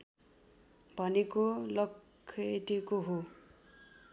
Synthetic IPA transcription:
bʱʌnekolʌkʰː | eʈekoɦo

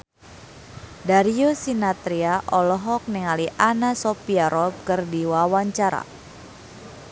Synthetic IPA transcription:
daɾiosinat̪ɾiaʔɔlɔɦɔk̚nɛŋaliʔanasopiaɾɔp̚kɨrdiwawaɲt͡ʃaɾa̰

